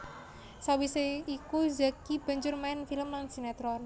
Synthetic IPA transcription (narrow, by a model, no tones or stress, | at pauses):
sawiseikuzakib̥a̤ɲd͡ʒʊrmaɪnfiləmlansinɛt̪ɾɔn